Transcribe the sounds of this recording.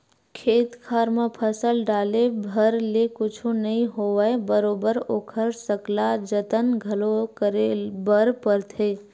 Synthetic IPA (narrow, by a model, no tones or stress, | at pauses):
kʰeːt̪kʰaːɾmãpʰəsəlɖaːlebʱəɾlekʊt͡ʃʰonɐɦĩɦoːʋebəɾoːbəɾoːkʰəɾsəklad͡ʒət̪ənɡʱɐlokəɾebəɾpəɾt̪ʰeː